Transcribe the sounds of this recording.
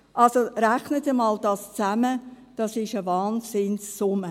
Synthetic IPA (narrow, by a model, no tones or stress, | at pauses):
ʔɑlsoɾæχnətəmɑːld̥ɑːst͡sæmə | d̥ɑsɪʃəvɑːnsɪnsːʊmə